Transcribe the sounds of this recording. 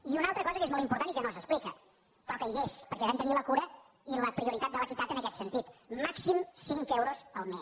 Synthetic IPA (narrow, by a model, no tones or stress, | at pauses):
iunalˠt̪ɾəkɔzəkezmɔlˠtimpuɾt̪anikənosəksplikə | pɾɔkəespəɾkɛβɛmt̪əniləkuɾə | iləpɾiuɾit̪at̪̚d̪əβəkit̪at̪ənəkɛt̪sənt̪it̪maksimsiŋkɛewɾozəlˠme